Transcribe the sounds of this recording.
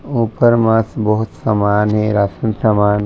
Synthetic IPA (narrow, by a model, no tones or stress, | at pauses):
uːpəɾmãsbɔɦʊt̪samaːnɦɛ̃ɾaːsənpɾɐmaːn